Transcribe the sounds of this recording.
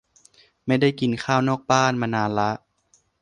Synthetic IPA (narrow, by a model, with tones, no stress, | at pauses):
ma˥˩jda˥˩jki˧nkʰaː˥˩wnɔː˥˩k̚baː˥˩˨nmaː˧naː˧nla˦˥ʔ